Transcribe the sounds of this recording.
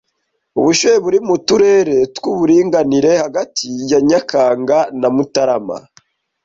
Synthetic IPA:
uβuʃojeβuɾimutuɾe̞ɾe̞tkuβuɾiːŋɡaniɾe̞haɡatʰijaɲakʰaːŋɡanamutaɾama̰

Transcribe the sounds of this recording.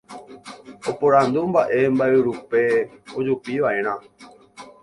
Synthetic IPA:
opoɾãnd̪umbaʔe̞mbaʔeɾupe̞od͡ʒupiʋaʔe̞ɾ̃ã

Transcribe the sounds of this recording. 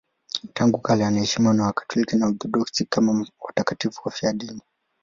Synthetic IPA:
taŋɡukalɛanahɛʃimiwanawakḁtɔlikinaudɔɗɔksikamawatakatifuwafiaɗini

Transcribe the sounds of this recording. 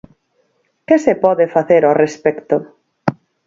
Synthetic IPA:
kɪsepɔðɪfaθeɾorespɛkt̪o

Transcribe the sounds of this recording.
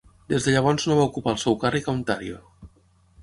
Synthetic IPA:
d̪ezðəʎəβ̞ɔnznoβaukupalˠsɛwkarikawnt̪aɾio

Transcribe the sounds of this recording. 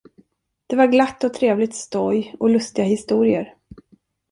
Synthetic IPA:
d̪̥ɛvaɾɡlat̪ːɔt̪ʰɾeːvlɪt̪st̪ɔjɔlɵst̪ɪɡahɪst̪uːɾɪəɾ

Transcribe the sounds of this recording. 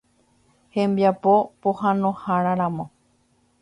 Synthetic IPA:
hẽmbjapopohãnõhaɾaɾãmõ

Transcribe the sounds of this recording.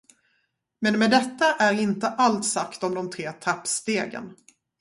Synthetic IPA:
mɛnmɛd̪ɛt̪ːaʔæɾɪnt̪əʔalt̪sakt̪ɔmd̪ɔmt̪ʰɾeːt̪ʰapːst̪eːɡə̰n

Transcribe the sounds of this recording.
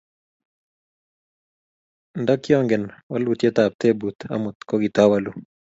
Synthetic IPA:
ndakjɔŋɡɛnwalut̪jet̪ap̚t̪ebut̪a̰mʊt̪kɔɡit̪awalu

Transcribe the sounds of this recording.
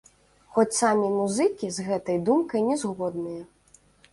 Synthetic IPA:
xɔt͡sʲsamʲimuzɨkʲizɣɛt̪ɐjd̪umkɐjnʲɛzɣɔd̪nɨjɐ

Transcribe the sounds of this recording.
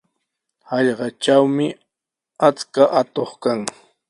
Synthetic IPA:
hɑʎɢɑt͡ʃawmɪ | at͡skaʔat̪oχkaŋ

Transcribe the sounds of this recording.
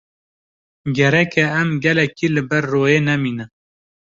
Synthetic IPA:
ɡɛɾɛkʰɛɛmɡɛlɛkiːlɨbɛɾːoːjeːnɛmiːnɨ

